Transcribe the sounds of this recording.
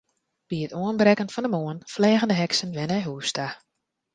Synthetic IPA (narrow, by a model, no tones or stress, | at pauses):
b̥iətoənbrɛkənfɔndəmoənflɛːɣəndəɦɛksənʋɛnɛjɦuːsta